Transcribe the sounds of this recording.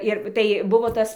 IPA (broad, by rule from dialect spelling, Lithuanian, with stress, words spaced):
ˈɪr tɐɪ ˈbʊʋoː ˈtɐs